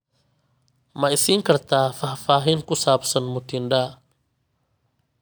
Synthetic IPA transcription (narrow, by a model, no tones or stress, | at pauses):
maisiŋkɐrt̪ʰaːfahfaːɦɪŋkʊsaːpsɐnmut̪ʰinɖa